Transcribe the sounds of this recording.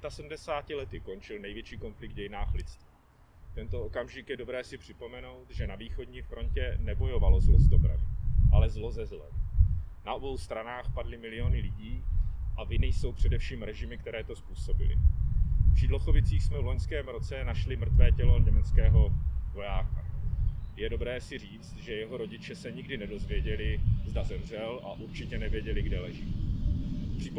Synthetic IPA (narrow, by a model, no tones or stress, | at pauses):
t̪asɛdm̩dɛsaːcɪlɛt̪ɪko̞nt͡ʃɪlnɛjvjɛt͡ʃiːko̞nflɪɡ̪̚ɟɛjɪnaːxlɪt͡st̪viː | t̪ɛnt̪o̞okamʒɪkjɛdo̞bɾɛːsɪpr̝̥ɪpo̞mɛno̞wt̪ʒɛnaviːxo̞dɲiːfɾo̞ncɛnɛbo̞jo̞valo̞zlozdobɾa̰vɪʔalɛzlo̞zɛzlɛ̰mnaʔo̞bo̞wst̪ɾanaːxpadlɪmɪlɪjo̞nɪlɪɟiːʔavɪnɪjso̞wpr̝̥ɛdɛfʃiːmɾɛʒɪmɪkt̪ɛɾɛːt̪o̞spuːso̞bɪlɪ̰ | pr̥iːdlo̞xo̞vɪt͡siːxsmɛvlo̞ɲskɛːmɾo̞t͡sɛnaʃlɪmr̩t̪vɛːcɛlo̞ɲɛmɛt͡skɛːɦo̞vo̞jaːka | jɛdo̞bɾɛːsɪr̝iːt͡st̪ʒɛjɛɦo̞ɾo̞ɟɪt͡ʃɛsɛɲɪɡdɪnɛdo̞zvjɛɟɛlɪzdazɛmr̝ɛlʔa̰ʔuɾt͡ʃɪcɛnɛvjɛɟɛlɪɡdɛlɛʒiː | pr̥iːp